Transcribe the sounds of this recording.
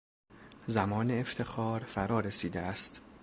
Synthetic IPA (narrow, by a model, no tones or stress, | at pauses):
zæmɒːneːft̪ʰe̞xɒːɾfæɾɒːɾesiːd̪eæst̪